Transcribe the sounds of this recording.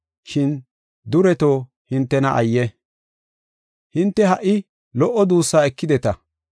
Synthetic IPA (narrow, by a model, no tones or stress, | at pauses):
ʃɪn | d̪ʊɾɛt̪o̞ː | hɪnt̪ːɛnɐʔɐjːɛ | hɪnt̪ːɛɦɐʔːɪ | lɔʔɔd̪uːsːaːɛkːɪd̪ɛt̪ɐ